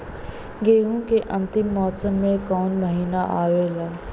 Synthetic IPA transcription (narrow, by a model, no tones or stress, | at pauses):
ɡeːɡõkeʔɐ̃nt̪ɪmːɔːsəmːẽkɔːnməɦiːnaʔaːʋeːlaː